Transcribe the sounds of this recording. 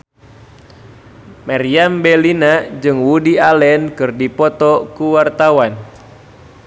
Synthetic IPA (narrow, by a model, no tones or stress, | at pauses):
maɾiambɛlinad͡ʒɨŋwudialɛnkɨrdipɔt̪ɔkuwart̪awan